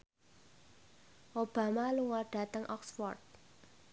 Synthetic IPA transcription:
ʔob̥a̤maluwɔɖ̥a̤t̪əŋʔɔksfɔ̰rt̪̚

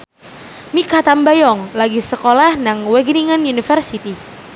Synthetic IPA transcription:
mikat̪ambajɔŋlaɡisəkolahnaŋwɛɡniŋanunifərsit̪i

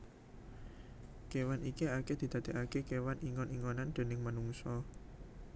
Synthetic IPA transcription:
kewanikiaked̪̥i̤d̪̥ä̤d̪̥e̤ʔakekewaniŋɔniŋɔnand̪̥e̤nɪŋmənuŋsɔ

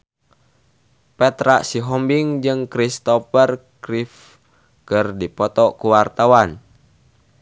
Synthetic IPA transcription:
pɛt̪ɾaʔsiɦɔmbiŋd͡ʒɨŋkɾist̪ɔfərkɾif | kɨrdipɔt̪ɔkuwart̪awan

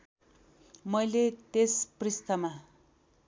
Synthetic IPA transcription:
mʌjlet̪esprist̪ʌma

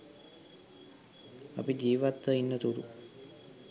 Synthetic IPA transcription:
a̰pid͡ʒiːʋat̪ʋəinːət̪uɾu

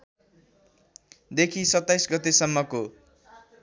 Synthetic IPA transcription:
d̪ekʰisʌt̪ːajsɡʌt̪esʌmːʌko

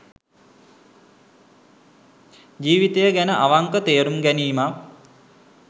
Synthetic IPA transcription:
d͡ʒiːʋit̪ejəɡænəʔaʋaŋkət̪eːɾumɡæniːma

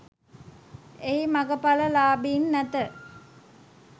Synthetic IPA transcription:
eimaɡəpaləlaːbiːnːæt̪ə

